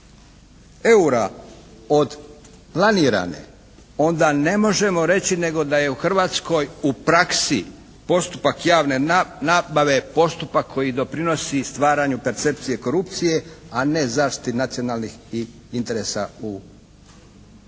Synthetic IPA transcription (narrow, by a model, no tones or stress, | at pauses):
e̞uɾa | o̞d̪ | planiːɾa̰nḛ | o̞nd̪ane̞mo̞ʒe̞mo̞ɾe̞t͡ɕine̞ɡo̞d̪aje̞uxr̩ʋaːt̪sko̞jupɾaksi | po̞st̪upakjaːʋne̞nabaʋe̞po̞st̪upakʰːo̞jid̪o̞pɾino̞sist̪ʋaːɾaɲupe̞ɾt̪se̞p̚t̪sije̞ko̞ɾup̚t̪sije̞ane̞zaːʃt̪i̥t̪inat̪sio̞naːlˠnix | int̪e̞ɾe̞sau